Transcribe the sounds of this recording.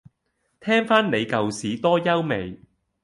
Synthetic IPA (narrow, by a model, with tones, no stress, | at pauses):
t̪ʰɛː˥ŋfaː˥nne˨˧jkɐ˨wsiː˨˥t̪ɔː˥jɐ˥wme˨˩j